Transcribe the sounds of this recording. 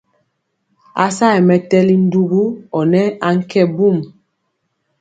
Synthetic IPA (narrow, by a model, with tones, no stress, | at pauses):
a̰˨sa˦˨ɛ˨mɛ˨tɛ˦li˦n̩˦du˦ɡu˦ɔ˨nɛ˦a˦ŋ̩˦kɛ˦˨bu˦˨m